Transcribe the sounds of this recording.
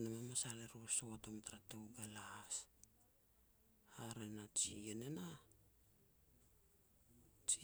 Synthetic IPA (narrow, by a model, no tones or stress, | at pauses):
namamasaɾeɾusotomtaɾatoɡalahas | aɾenat͡ʃienena | t͡ʃi